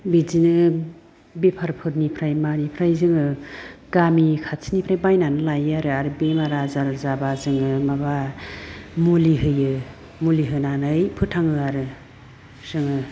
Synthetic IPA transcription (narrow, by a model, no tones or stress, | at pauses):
bizinɯ | bipʰaɾpʰɯɾnipʰɾajmanipʰɾajzɯŋɯɡ̥amikʰatsinipʰɾajbajnanɯlajaɾɯaɾɯbemaɾazaɾzabazɯŋɯmaba | muliɦɯjɯ | muliɦɯnanɯjpʰɯtʰaŋɯaɾɯ | z̥ɯŋɯ